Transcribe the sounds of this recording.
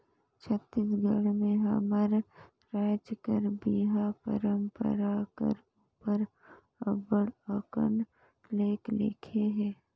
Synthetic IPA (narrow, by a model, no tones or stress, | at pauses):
t͡ʃʰət̪ːisɡəɽmẽɦə̰məɾ | ɾaːd͡ʒkəɾbiːɦapə̰ɾəmpə̰ɾakə̰ɾ | upəɾ | əbəɽəkə̰n | leːklḛkʰeɦɛ̃ː